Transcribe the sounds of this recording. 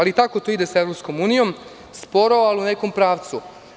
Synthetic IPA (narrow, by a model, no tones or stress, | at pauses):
alit̪ako̞t̪oid̪eseʋɾopsko̞muːnijo̞m | spo̞ɾaoaluneko̞mpɾaːʋt̪su